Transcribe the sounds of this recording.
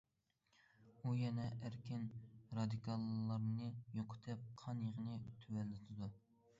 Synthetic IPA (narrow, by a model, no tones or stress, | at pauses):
ujɛnɛʔæɾkʲʰɪnɾɑd̪ɨkʰɑlˠːɑɾnɨjoqʰʊ̥t̪ʰɛp̚qʰɑnjeʁənɨt̪ʰywɛlːɪt̪ʰɪd̪u